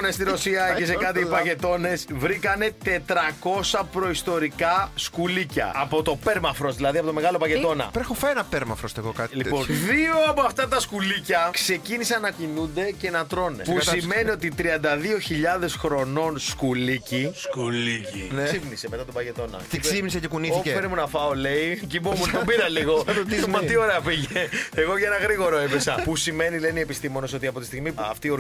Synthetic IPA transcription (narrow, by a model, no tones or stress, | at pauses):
onest̪iɾo̞siɐeesekɐt̪iipɐʝe̞t̪o̞ne̞svɾikɐne̞t̪e̞t̪ɾɐko̞sɐpɾo̞ist̪o̞ɾikɐskulicɐ̰ɐpo̞t̪o̞pe̞ɾmɐfɾo̞zðilɐðiɐpoo̞me̞ɣɐlo̞pɐce̞t̪o̞nɐ̰pɾexofɐenɐpeɾmɐfɾost̪eɣokɐliponðio̞ɐpoɐft̪ɐt̪ɐskulicɐkse̞cinisɐnnːɐcinund̪e̞ce̞nɐt̪ɾo̞nepusime̞nio̞t̪it̪ɾiɐnd̪ɐðio̞çiʎɐðe̞sxɾo̞no̞nskuliciskulicisipniseme̞t̪ɐt̪obɐʝe̞t̪o̞nɐ̰iksipnisecekuniθikeeɾimunɐfɐole̞icibomunɐbiɾɐliɣoumɐt̪io̞ɾeɐpiʝeeɣo̞ʝɐenɐɣɾiɣo̞ɾoipesɐpusime̞nilenie̞pist̪imo̞noso̞t̪iɐpo̞t̪i̥st̪iɣmiɐ̰ft̪io